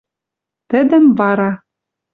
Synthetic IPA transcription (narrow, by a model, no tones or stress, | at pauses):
t̪ɘ̆d̪ɘ̆mvɑɾɑ